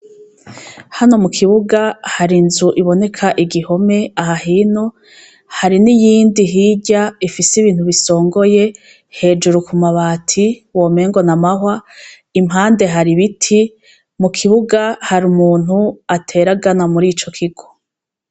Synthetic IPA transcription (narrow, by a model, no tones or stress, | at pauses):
hano̞mukʰiβuɡahaɾinzuʔiβo̞ne̞kʰaʔiɡiho̞me̞ahahiːno | haɾinijiːndiɦiɟaifisiβiːn̥huβiso̞ːŋɡo̞je̞ | he̞d͡ʒuɾukumaβaːtʰiwoːme̞ːŋɡo̞namahwa | imhaːnde̞ɦaɾiβitʰi | mukʰiβuɡahaɾumuːn̥uatʰe̞ɾaɡanamuɾiːt͡ʃo̞kʰiɡ̥o̥